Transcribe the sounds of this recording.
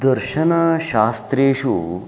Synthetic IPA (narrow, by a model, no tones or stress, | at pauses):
d̪ɐɾɕɐnaɕaːst̪ɾeːɕu